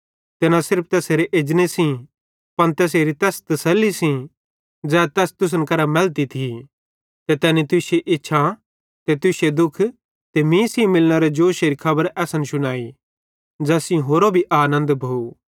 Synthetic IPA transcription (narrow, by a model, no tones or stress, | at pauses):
t̪enãsɪɾpʰt̪ɛːseːɾeʔed͡ʒnesĩ | pɐnt̪ɛːs̬eːɾit̪ɛːst̪ɐsɐlːisĩ | d͡zɛːt̪ɛːst̪ʊs̬ənkɐɾamɛlt̪it̪ʰi | t̪ɛt̪ɛːnit̪ʊseʔɪtːʃʰa | t̪et̪ʊsed̪ʊkʰ | t̪emĩːsĩmɪlnɐɾed͡ʒoːʃeːɾikʰɐbəɾɛːsənʃʊñaːi | d͡ʒɛːsĩɦoːɾobʱiʔaːnə̃nd̪bʱou